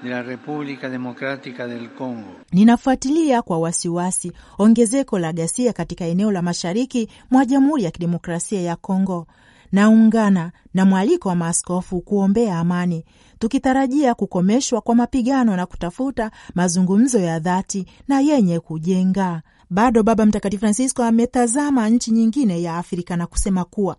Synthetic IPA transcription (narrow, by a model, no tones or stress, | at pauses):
d̪ɛlaɾɛpublikad̪ɛmɔkɾat̪ikad̪ɛlkɔŋɡɔninafuatiliakwawasiwasiɔŋɡɛzɛkɔlaɠasiakatikaɛnɛɔlamaʃaɾiki | mwaʄam̩huɾijakiɗɛmɔkɾasiajakɔŋɡɔ | nauŋɡana | namwalikɔwamaːskɔfukuɔmbɛaːmani | tukitaɾaʄiakukɔmɛʃwakwamapiɠanɔnaku̥tafutamazuŋɡum̩zɔjaðatinajɛɲɛkuʄɛŋɡa | ɓaɗɔɓaɓam̩takatifɾansiskɔamɛtazamaɲ̩t͡ʃiɲiŋɡinɛjaːfɾikanaku̥sɛmakuwa